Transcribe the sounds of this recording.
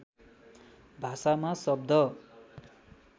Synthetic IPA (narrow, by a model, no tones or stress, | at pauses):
bʱasamasʌb̚d̪ʱʌ